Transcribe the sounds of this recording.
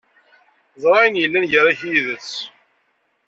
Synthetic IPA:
zˤɾˤɑjənjəlːænʝəɾˤæçiðət͡sː

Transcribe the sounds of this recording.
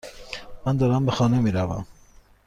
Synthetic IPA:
mænd̪ɔɾambəxɑnɛmiɾava̰m

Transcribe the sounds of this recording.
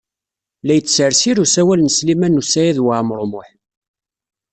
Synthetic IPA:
læjət͡sːsəɾsiɾusæwælnəslimænːusæjæðwaʕmɾˤomʊħ

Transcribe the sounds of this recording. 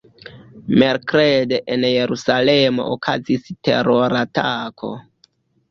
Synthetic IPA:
meɾkɾedeʔenjeɾusalemo̞̰ʔokʰaziste̞̰ɾoɾatakʰo̞̰

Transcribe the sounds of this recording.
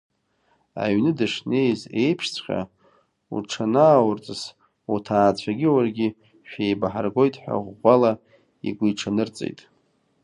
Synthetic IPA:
a̰ɥnɨdɨʂne̞jze̞jpʰʂt͡sʰχʲa̰ | ṵʈ͡ʂʰanaːwʊrt͡sʼɨs | utʰaːt͡ɕʷʰaɡʲiwarɡʲi | ʃᶣejbaħarɡo̞jtʼħʷᶣa̰ʁːʷala | ḭɡʷijʈ͡ʂʰanɨrt͡sʼḛjtʼ

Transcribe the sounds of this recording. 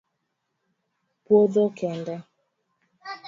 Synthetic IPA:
pwoðɔkɛnda

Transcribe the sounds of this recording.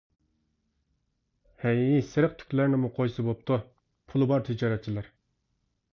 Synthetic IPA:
hɛŋisɪɾəq̚t̪ʰy̥kʲlæɾnɪmuqʰojsɨbop̚t̪ʰu | pʰulˠɨbɑɾt̪ʰɪd͡ʒɑɾɛt̪̚t͡ʃʰilˠæɾ

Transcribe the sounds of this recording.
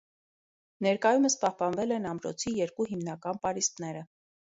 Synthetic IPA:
nɛɾkɑjuməspɑhpɑnvɛlɛnɑmɾɔ̰t͡sʰijɛɾkuɦimnɑkɑnpɑɾist̪nɛɾə

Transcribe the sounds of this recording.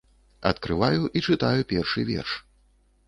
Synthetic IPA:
ɐt̪kɾɨvajuʔit͡ʂɨt̪ajupʲɛrʂɨvʲɛ̰rʂ

